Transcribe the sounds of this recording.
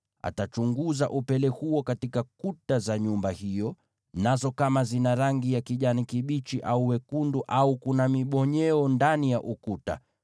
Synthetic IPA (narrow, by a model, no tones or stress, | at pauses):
a̰tat͡ʃuŋɡuza̰ʔupɛlɛhuɔkatikakutazaɲumbahijɔ | nazɔkamazinaɾaŋɡijakiʄanikiɓit͡ʃiʔauwɛkunduʔaukunamiɓɔɲɛɔndanijaʔukuta̰